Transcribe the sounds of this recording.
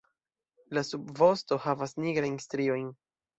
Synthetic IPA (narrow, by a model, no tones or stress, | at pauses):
lasubvo̞sto̞havasniɡɾajnstɾio̞jn